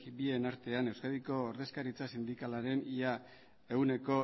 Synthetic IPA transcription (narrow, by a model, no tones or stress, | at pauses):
bie̞naɾt̪e̞ane̞wskaðiko̞ːɾðe̞skaɾit͡sasind̪ikalaɾe̞nia | e̞ɣune̞ko̞